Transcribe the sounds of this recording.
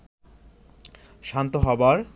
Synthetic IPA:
ʃant̪oɦɔbaɾ

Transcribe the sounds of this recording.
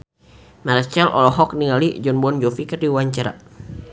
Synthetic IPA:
maɾt͡ʃɛlʔɔ̰lɔɦɔk̚niŋalid͡ʒɔnbuɔnd͡ʒofikərdiwaɲt͡ʃaɾa̰

